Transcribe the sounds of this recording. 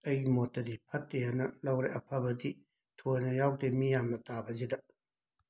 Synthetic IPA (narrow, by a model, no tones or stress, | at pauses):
ɐjɡimɔtːɐd̪ipʰɐtːehanɐlɐwɾeʔɐpʰɐbɐd̪i | tʰojnɐjawd̪emijamɐt̪abɐzid̪ɐ